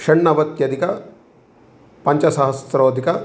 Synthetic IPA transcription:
kʂɐɳːɐʋɐt̪jɐd̪ʱikɐ | pɐɲt͡ʃɐsɐɦɐsɾoːd̪ʱikɐ

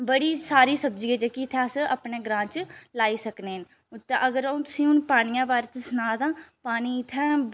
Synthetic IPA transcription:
bəɽiːsaːɾiːsəb̚d͡ʒiːaːt͡ʃeːkit̪ʰɛ̃ːsə̰pɳeːɡɾãːt͡ʃlaːiːsəkneːn | t̪eʔəɡəɾt̪ʊsĩːʊnpaːñijãːbaːɾeːt͡ʃsənaːd̪ãːpaːñiːɪt̪ʰːɛ̃ː

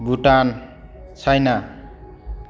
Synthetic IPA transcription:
bʱuʈant͡sʰʌjna

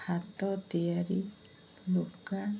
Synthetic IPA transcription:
hat̪ɔt̪iaɾi | luka

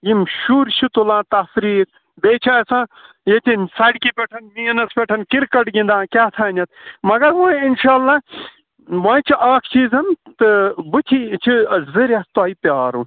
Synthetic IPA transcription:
jimʃuːɾt͡ʃʰut̪ulãːt̪ɐfɾiːɾ | b̪eːt͡ʃʰaɐsãː | jet̪ʲisɐɽkipʲeʈʰɐnmijɐnɐspʲeʈʰɐnkiɾkɐʈɡĩnd̪ãːkʲaːt̪ʰaːnɐt̪̚mɐɡɐɾʋãːinʃaːlːa | ʋãːt͡ʃʰiʔaːkʰt͡ʃiːzɐnt̪ɨbɨt̪ʰit͡ʃʰiɐzɨɾʲɐst̪uaːipjaːɾuː

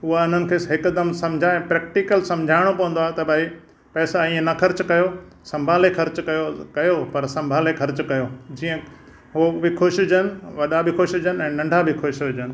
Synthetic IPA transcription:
ɦʊɦaʊn̤ənɪ̆kʰeːɦɪkʊd̪ɐmsɐ̃md͡ʑʱaẽpɾɛːk̚ʈikəlsɐ̃md͡ʑʱaːɪɽ̃opɐʋə̃nd̪oaːɦet̪ɐbʱai | pɛːsaĩːə̃nɐxɐɾt͡ɕkɐjo | sɐ̃mbʱaːlexʰɐɾt͡ɕkɐjokɐjopɐɾsɐ̃mbʱaːlexʰɐɾt͡ɕkɐjod͡ʑiːə̃ | ɦoʋɪkʰoːʃʊd͡ʑənɪ̆ʋɐɗabʱɪkʰoːʃd͡ʑənɪ̆ɛ̃ːnɐ̃ɳɖʱabʱɪkʰoːʃɪd͡ʑənɪ̆

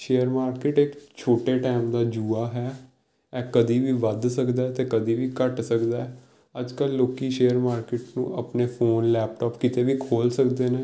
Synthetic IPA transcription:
ʃeːəɾmaːɾkɪʈɪkt͡ʃʰoːʈeːʈɛːmd̪aːd͡ʒuːaːɦɛː | ɛːkəd̪iːʋiːʋəd̪səkd̪aːɛt̪eːkəd̪iːʋiːkəʈsəkd̪aːɛ | əd͡ʒkəlːoːkiːʃeːəɾmaːɾkɪːʈnṵ̃ːʔəpneːfʰoːnlɛːp̚ʈaːpkɪt̪eːʋiːkʰoːlsəkd̪eːneː

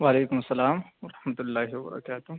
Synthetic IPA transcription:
waːleːkʊmɐsːɐlaːmʋɐɾɐħmɐt̪ʊlːaːɦɪwɐbɐ̰ɾɐ̰kaːt̪ʊ

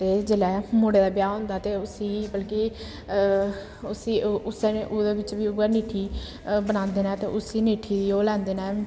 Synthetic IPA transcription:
t̪eːd͡ʒɪlɛːmoːɽeːd̪aːbɪjaːɦõːnd̪aːt̪eːʊsiːbəlkiː | ʊsiːʊsʔoːd̪eːbɪt͡ʃʋiːʊaːniːʈʰiː | bənãːnd̪eːnaːt̪ḛːʔʊsiːniːʈʰiːd̪iːoːlɛ̃ːnd̪eːnɛː

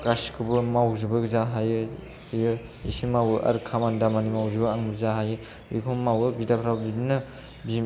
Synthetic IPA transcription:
kaskʰɯbɯmawzɯbɯɡzaɦajɯ | jɯ | ḭsimawɯʔa̰ɾkʰamandamanimawzɯbɯaŋbɯzaɦajɯ | ikʰumawɯbidapʰɾawbidinɯ | bi

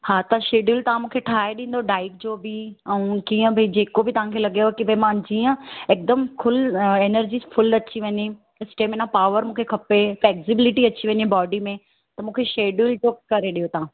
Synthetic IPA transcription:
haːt̪ɐ̃ʃeːɖult̪ɐʋãmũːkʰeʈʰaːɦeɗĩːn̆d̪oɖaːɪkd͡ʑoːbɪɛ̃ũkiːə̃bʱɐid͡ʑeːkobɪt̪ɐʋãkʰelɐɡijokibʱɐĩmãd͡ʑiːə̃eːk̚d̪əmkʰʊleːnəɾd͡ʑiːsfʊlɐt͡ɕiʋɐ̃ɲi | ɪsʈeːmẽnãpaːʋəɾmũːkʰekʰɐpefleːksɪbɪlɪʈiɐt͡ɕiʋɐ̃ɲibɔːɖimẽ | t̪ɐmũːkʰeʃeːɖuld͡ʑoːkɐɾeɗijot̪ɐɦã

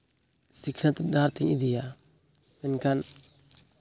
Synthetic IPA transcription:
siknat̪daɾt̪iɲid̪ija | binkan

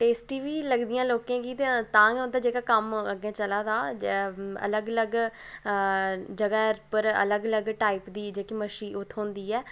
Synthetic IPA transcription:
ʈeːsʈiːʋiːləɡd̪ijãːloːkẽːɡiːt̪et̪ãːʊ̃nd̪aːd͡ʒeːkaːkəməɡẽːt͡ʃəlaːd̪aː | ə̰ləɡələɡ | d͡ʒəɡaːɾpəɾə̰ləɡələɡʈaːɪpd̪iːd͡ʒeːkiːməʃiːʊt̪ʰːɦõːnd̪iːɛː

